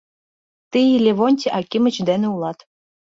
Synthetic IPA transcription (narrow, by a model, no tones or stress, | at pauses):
t̪ijlʲeβonʲt̪ʲeʔɑkʲimə̆t͡ɕd̪eneulɑt̪